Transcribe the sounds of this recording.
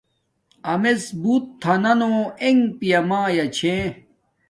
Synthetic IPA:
ɐmesbuːt̪ʰːɐnɐnoeŋpijɐmaːjɐt͡ɕʰẽ

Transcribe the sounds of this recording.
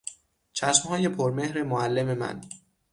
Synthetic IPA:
t͡ʃʰæʃmhɒːje̞pʰoɾme̞hɾemoælːe̞me̞mæ̰n

